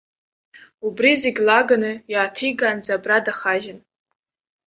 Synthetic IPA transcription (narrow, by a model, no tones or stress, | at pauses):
ubrizeɡʲlaɡanɨjaːtʰiɡand͡zabradaχaʒɪn